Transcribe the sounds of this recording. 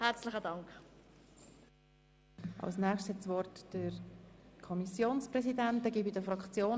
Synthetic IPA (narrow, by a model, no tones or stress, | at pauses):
hɛɾt͡slɪχədɑŋk | ʔɑ̰lsnɛːχʃthɛtsvɔrtd̥əɾkʰɔmisjoːnspɾɛsidɛnt̚dɛɡiːbidəfɾɑkt͡sjoː